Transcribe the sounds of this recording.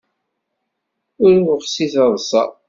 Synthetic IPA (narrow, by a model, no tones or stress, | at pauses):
ʊɾwəʁsiθɑðˤsˤɑ̰